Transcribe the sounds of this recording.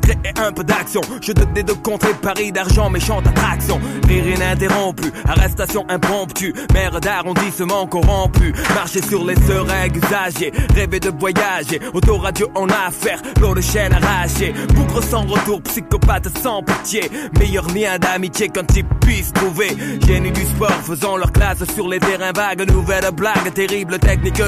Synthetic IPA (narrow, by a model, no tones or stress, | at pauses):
t̪ʁeʔɛ̃pød̪aksjɔ̃ʒ̥əd̪ɔnɛd̪əkɔ̃t̪χepaʁid̪aʁʒɑ̃meʃɑ̃t̪at̪χaksjɔ̃ʁiʁɛ̃nɛ̃t̪̬eʁɔ̃pyaʁɛst̪asjɔ̃ʔɛ̃pɔ̃pt̪ymɛʁd̪aʁɔ̃d̪isəmɑ̃kɔʁɑ̃pymaʁʃesyʁlesøʁɛɡzaʒeʁeved̪əvwajaʒeot̪oʁad̪joʔɑ̃nafɛʁlod̪əʃɛnaʁaʃebukʁəsɑ̃ʁət̪uːʁpsikɔpat̪sɑ̃pit̪jemejœʁljɛ̃d̪amit̪jekɑ̃t̪ilpɥist̪χuveʒenyd̪yspɔʁfəzɑ̃lœʁklassyʁlet̪ɛʁɛ̃vaɡnuvɛlblaɡt̪eʁiblət̪ɛknik